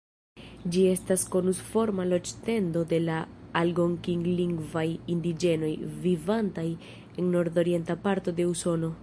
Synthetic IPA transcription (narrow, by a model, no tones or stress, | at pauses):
d͡ʒie̞stasko̞nusfo̞ɾmalo̞d͡ʒte̞ndo̞de̞laː | lɡoŋkiŋɡliŋɡvajind̪id͡ʒe̞no̞jvivantaj | e̞nno̞ɾd̪o̞ɾie̞ntapaɾto̞de̞uso̞no̞